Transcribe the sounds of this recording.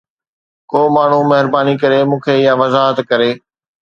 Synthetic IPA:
koːmaːɳ̤umɐɦɪɾbaːnikɐɾemũːkʰeɪjãʋɐzaːɦət̪kɐɾeː

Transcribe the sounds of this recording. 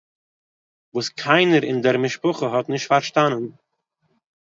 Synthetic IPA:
vuːskʰaɪnəɾɪndɛɾmɪʃpʊχəɦɔtnɪʃtfaɾʃtanən

